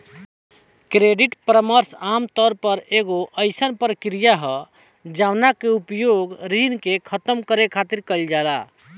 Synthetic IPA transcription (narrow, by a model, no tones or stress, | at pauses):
kɾeɖiʈpɾəməɾsamt̪ɔɾpəɾeɡoʔəɪsənpəɾkɾijaɦə | d͡ʒawnakeupjoɡɾinkekʰət̪əmkəɾekʰat̪iɾkəld͡ʒala